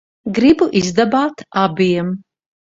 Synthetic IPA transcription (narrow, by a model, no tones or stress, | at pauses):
ɡɾibuʔizd̪abaːt̪abiɛm